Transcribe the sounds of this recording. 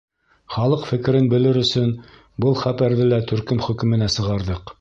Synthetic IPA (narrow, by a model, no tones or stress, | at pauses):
χɑlˠɤqfɘ̆kɘ̆ɾɘnbɘ̆lɘɾɵ̆sɵn | bɤlˠχæpæɾðɘlæt̪ɵ̆ɾkɵmχɵ̆kɵ̆mɘ̆næsɤ̆ʁɑɾðɤq